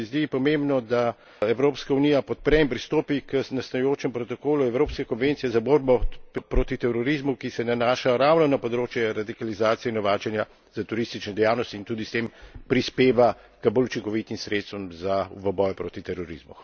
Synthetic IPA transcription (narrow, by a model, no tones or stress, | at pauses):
izd̪ipɔmembnɔd̪a | ɛwɾoːpskaunijapɔt̪̚pɾɛimpɾist̪oːpikənast̪ajoːt͡ʃɛmpɾɔt̪ɔkoːluɛwɾoːpskɛkɔnʋent̪sijɛzaboːɾbɔppɾoːt̪it̪ɛɾɔɾizmukisɛnanaːʃaɾawnɔnɐpɔd̪ɾoːt͡ʃjɛɾad̪ikalizaːt̪sijɛinɔʋaːt͡ʃɛnja | zat̪uɾist̪it͡ʃnɛd̪ɛjaːwnɔst̪iːnt̪uːd̪ist̪empɾispeːʋa | kəbolut͡ʃiŋkɔʋit̪imsɾet̪st̪ʋɔmzaʋəbɔjɔpɾoːt̪it̪ɛɾɔɾḭzmṵ